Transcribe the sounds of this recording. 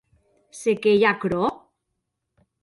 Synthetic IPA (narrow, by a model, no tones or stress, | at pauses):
sekejakɾo